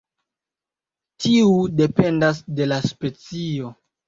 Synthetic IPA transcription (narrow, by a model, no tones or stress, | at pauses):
tʰiude̞pe̞ndas̬de̞laspe̞t͡sio̞